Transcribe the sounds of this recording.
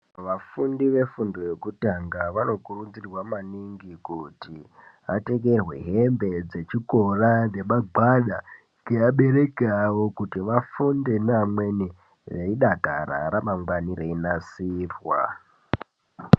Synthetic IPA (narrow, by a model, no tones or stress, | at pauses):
ʋafundiʋe̞fundo̞je̞kutaŋɡaʋano̞kurud͡zirwamaniŋɡikuti | ate̞ɡe̞rwe̞ɦe̞mbe̞d͡ze̞t͡ʃiko̞raneɓaɡaɗa | keaɓe̞ɾe̞keawo̞kutiʋafunde̞namweni | ʋeiɗaɡʱa̰ɾa̰ɾamaŋɡwanireinasiːrwa̰